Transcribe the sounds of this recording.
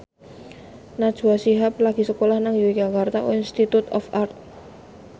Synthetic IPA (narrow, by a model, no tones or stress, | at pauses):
nad̥ʒ̥uasiɦap̚laɡ̥i̤səkolahnaŋjuiɡaɡart̪ao̰inst̪it̪ut̪ɔ̰fart̪̚